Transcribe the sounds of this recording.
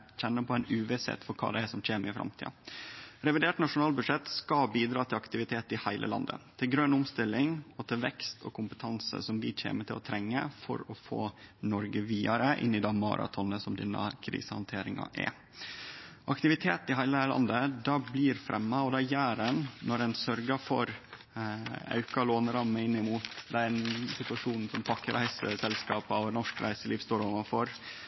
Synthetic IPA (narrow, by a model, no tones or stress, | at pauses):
çɛnːəpʰɔæɪnʉːʋɛsɛ̰t̪ːfɔɾkʰɑ̰ːd̪ɛæsɔmc͡çeːməɾɪfɾɑ̰mt̪ʰḭːɑɾɛʋɪd̪eːʈnɑʂʊnɑːlbʉd̪ʂɛt̪skɑbiːd̪ɾɑːt̪ʰɪlɑkt̪ɪʋɪt̪ʰeːt̪ɪhæɪlə̰lɑ̰nd̪ə̰t̪ʰɪlɡɾœnʊmst̪ɪlːɪŋɔt̪ʰɪlʋɛkst̪ʰɔkʰʊmpət̪ʰɑnsə̰sɔmʋɪc͡çʰḛːməʈɪlɔ̰t̪ʰɾɛŋːə̰fɔ̰ɾɔfo̰ːnɔɾɡəʋiːɑɾəʔɪ̰nːɪd̪ɑːmɑ̰ːɾʔɑ̰t̪ʰɔnəsɔmd̪ɪnːə̰kʰɾḭːsəhɑnt̪ʰeːɾɪŋɑ̰ʔæ̰ | ʔɑkt̪ɪʋɪt̪ʰeːt̪ɪɦæɪləlɑ̰nd̪əd̪ɑːbliːɾfɾʔɛmːɑɔd̪ɛjæːɾɛnnɔɾɛnsœɾɡɑfɔɾ | ɑ̰ʉkɑloːnəɾɑmːəɪnːɪmuːt̪d̪ɛæɾnsɪt̪ʉɑʂuːnn̩sɔmpʰɑkːəɾʔæ̰ɪsəsɛlskɑːpɑnɔʂkɾæ̰ɪsəliːʋst̪oːɾɔʋɑfɔɾ